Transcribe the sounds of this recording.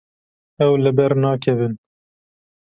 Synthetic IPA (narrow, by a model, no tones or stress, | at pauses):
ɛwlɨbɛɾnɑːkʰɛvɨn